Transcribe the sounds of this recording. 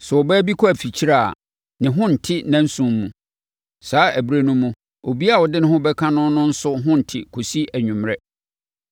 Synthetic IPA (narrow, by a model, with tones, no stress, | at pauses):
sɛ˨ɔ˨bɛː˦bi˦kʰɔ˦æ˨fi˨t͡ɕʰi˦ɾa˦˨a̰˨ | nɪ̃˨ɦʊ̃˦n̩˨tʰɪ˦nã˦n̩˦sũ˦mːṵ̃˨ | saː˨˦æ˨bɾe˦nũ˦mːũ˨ | o˨bi˦a˦˨wɔ˨dɪ˦nɪ̃˦ɦʊ̃˦bɛ˦kʰã˦nʊ̃˦nʊ̃˦n̩˦sʊ˦ɦʊ̃˦n̩˨tʰɪ̰˨kʰo˨si˦ʔæ˨ɲᶣʊ̃˨mɾɛ˦